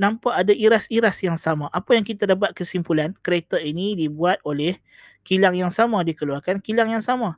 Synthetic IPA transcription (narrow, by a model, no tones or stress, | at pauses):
nãmpaʔadaiɾasiɾasjaŋsamãʔapajaŋkit̪adap̬at̪̚kəsimpulankəɾet̪ainidibuat̪̚olɛh | kilaŋjaŋsamãdikəluarkankilaŋjaŋsamã